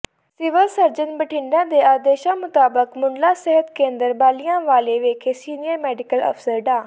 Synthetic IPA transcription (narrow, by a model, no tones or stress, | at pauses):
sɪʋəlsəɾd͡ʒənbəʈʰɪ̃ɳɖãːd̪eːaːd̪eːʃãːmʊt̪aːbəkmʊɳlaːsɛɦət̪kẽːnd̪əɾbaːlɪjãːʋaːleːʋeːkʰeːsiːnɪjəɾmɛːɖɪkəlɔ̰pʰsəɾɖaː